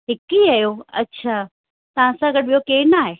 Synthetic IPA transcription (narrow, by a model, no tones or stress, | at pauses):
ɦɪkiajoɐ̰tːt͡ɕʰaː | t̪ɐʋ̤ãsãɡɐɽɓijokeːnaːɦeː